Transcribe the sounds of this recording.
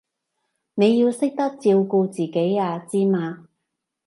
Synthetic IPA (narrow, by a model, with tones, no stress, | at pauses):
ne˨˧jiː˧wsɪ˥k̚t̪ɐ˥k̚t͡siː˧wko˧t͡siː˨ke˨˥jaː˧t͡siː˥maː˧